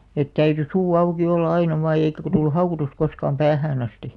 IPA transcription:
et tæyty suː ɑuki olːɑ ɑinɑ ʋɑːj jɑ eikæ ko tuilu hɑukotus koskɑːm pæːhæːn ɑsti

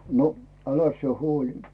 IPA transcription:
no ælæs sĭe huolʲi

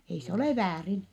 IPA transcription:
ei se oleˑ ʋæːrin

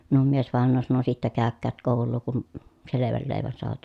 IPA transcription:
minum miesʋɑˑenˑoː sɑno sitːæ kæˑøkːæːt koˑulˑuː kun seleʋæl leˑi̯ʋæn soɑʋɑt

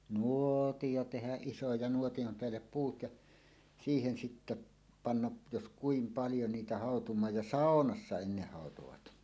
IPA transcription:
nuˑoˑtijo tehæʔ ʔiso jɑ nuotij̆om peælːep puːt jɑ siːhen sitːe pɑnːɑʔ jos kuim pɑljo niːtæ hɑˑotumˑɑːj jɑ sɑˑonɑsːɑ enːeh hɑˑotoʋɑt

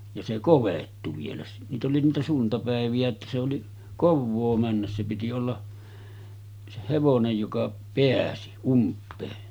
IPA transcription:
jɑ se koʋetːu ʋielæ niːt oli niːtæ suntɑpæeʋij̆æ etːæ se oli koʋːoː mænːæs se piti olːɑ se heʋonej jokɑ peæsi umpˑeː

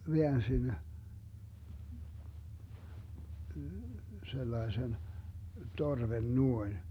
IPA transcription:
ʋeænsin selːɑesen torʋen nuoin

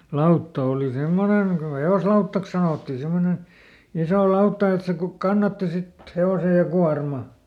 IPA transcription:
lɑutːɑ oˑli semːoneŋ ko heoslɑutːɑks sɑnotːiː simːonen̞ isoˑ lɑutːɑ et se ku kɑnːɑtːi sit heose jɑ kuɑrmɑ

